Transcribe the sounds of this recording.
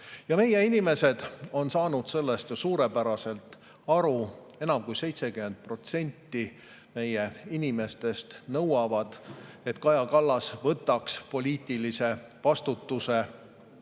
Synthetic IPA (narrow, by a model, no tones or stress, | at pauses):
jɑme̞je̞inʲime̞se̞d̪̥o̞nsɑːnud̪̥se̞lːe̞st̪josuːɾe̞pæɾɑse̞lt̪ | ɑɾue̞nɑmkujse̞jt̪se̞kyme̞nd̪̥̚pro̞t̪se̞nʲt̪ːi | me̞jeinʲime̞st̪e̞st̪nɤwɑvɑd̪̥e̞t̪kɑjɑkɑlːɑsvɤt̪ːˑɑkspo̞lʲiːt̪ˑilise̞ | vɑst̪ut̪ːuse